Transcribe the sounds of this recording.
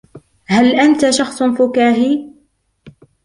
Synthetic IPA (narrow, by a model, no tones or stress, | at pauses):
halʔant̪aʃɑxsˤfʊkaːɦi